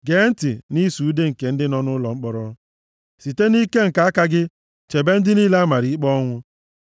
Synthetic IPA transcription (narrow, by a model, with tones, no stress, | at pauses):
ɡe˨˦n̩˦tɪ˨ni˦su˨˦de˦ŋ̩˨ke˨n̩˦dɪ˦nɔ˦nʊ˦lɔ˨ŋ͡m̩˦k͡pɔ˦ɾɔ˦ | si˨te˦ni˦ke˦ŋ̩˨ka˨˦a˦ka˦ɡɪ˦ | t͡ʃe˨be˦n̩˦dɪ˦niː˦le˦a˦ma˨ɾi˨˦k͡pɔ˦ŋʷʊ˦